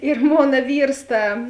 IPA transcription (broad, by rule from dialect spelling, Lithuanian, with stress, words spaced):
ɪr ˈmoːnɐ ˈʋʲiːrs ˈtɐ